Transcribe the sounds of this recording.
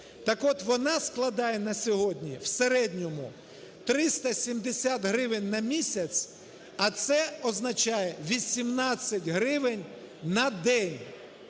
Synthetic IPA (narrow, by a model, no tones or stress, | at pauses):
t̪ɐkɔt̪ʋɔnɑsklˠɐd̪ɑjɛnɐsʲɔɦɔdʲnʲḭwseɾɛdʲnʲɔmʊ | t̪ɾɪst̪ɐsʲimd̪esʲat̪ɦɾɪʋɪnʲnɐmʲisʲɐt͡sʲ | ɐt̪sɛɔznɐt͡ʃɑjɛʋʲisʲimnɑt͡sʲsʲːɐtʲɦɾɪʋɪnʲ | nɐd̪ɛnʲ